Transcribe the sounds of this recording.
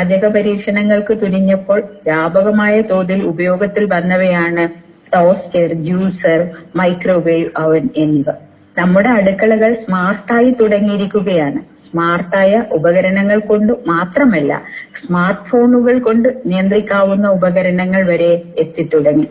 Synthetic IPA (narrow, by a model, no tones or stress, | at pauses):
aːd͡ʑɐɣɐpɐɾiːkʂɐnɐŋːɐɭkɨt̪uɾiɲːɐpːo̞ːɭʋjaːbɐɣɐmaːjɐt̪o̞ːðilubɐjo̞ːɡɐt̪ːilʋɐnːɐʋɐjaːɳɨ | ʈoːst͡ɕerd͡ʑjuːlsɐrmɐjkro̞ːbejuʔɐʋɐneniʋɐ | nɐmːuɽe̞ɐɽukːɐɭɐɣɐɭsmaːrʈːaːjit̪uɽɐŋːijiɾikʲːuɣɐjaːɳɨsmaːrʈːaːjɐʔubɐɣɐɾɐɳɐŋːɐɭko̞ɳɖɨmaːt̪rɐmɐlːɐ̰smaːrʈfo̞ːɳuɣɐɭko̞ɳɖɨnijɐnd̪rikʲːaːʋunːɐubɐɣɐɾɐɳɐŋːɐɭʋɐɾe̞et̪ːit̪ːuɽɐŋːi